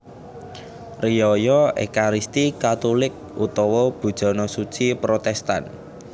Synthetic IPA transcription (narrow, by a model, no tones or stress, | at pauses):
rijɔjɔḛkaɾist̪ikat̪ulɪk̚ʔut̪ɔwɔb̥ṳd̥ʒ̥ɔ̤nɔsu̥t͡ʃipɾot̪ɛst̪a̰n